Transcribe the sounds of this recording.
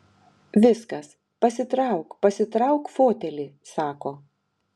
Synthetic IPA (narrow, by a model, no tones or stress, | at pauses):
ʋʲɪskɐs | pɐsʲɪt̪ɾɑˑʊkpɐsʲɪt̪ɾɑˑʊkfoːt̪ʲɛlʲɪːsɑːkoː